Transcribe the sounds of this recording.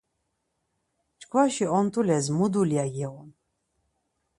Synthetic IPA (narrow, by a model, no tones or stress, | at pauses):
t͡ʃkʰvaʃiɔnt̪ʰʼulɛzmud̪uljajɛɔn